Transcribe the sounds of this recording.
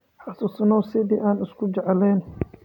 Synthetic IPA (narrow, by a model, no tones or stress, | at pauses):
ħɑsuːsnɔwsɪðiːʔaːnɪskʰʊd͡ʒɛʕlɛːn